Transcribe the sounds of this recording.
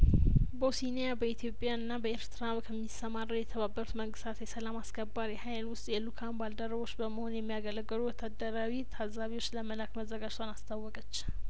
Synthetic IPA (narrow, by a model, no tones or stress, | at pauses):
bosinejabəit̪jo̞pʼjaɨnːabəeɾt̪ʰɨɾaβkʰəmːisəmarəwjɛt̪ʰəβabːəɾut̪məŋɡɨst̪ʰat̪jɛsəlamaskʰəbːaɾijɛhajlwʊst̪ʼjɛlukʰanbald̪əɾəβo̞t͡ʃːbəməho̞njɛmːijaɡələɡːəluwɔt̪ʰːad̪ːəɾawit̪ʰazaβiwo̞t͡ʃːləməlakməzːəɡad͡ʒt̪ʰanast̪ʰawːɔkʼət͡ʃː